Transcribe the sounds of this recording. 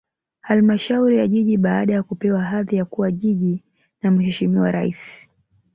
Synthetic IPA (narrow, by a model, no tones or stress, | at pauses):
halmaʃauɾijaʄiʄiɓaːɗajakupɛwaɦaðijakuwaʄiʄi | nam̩ɦɛʃimiwaɾa̰ḭsi̥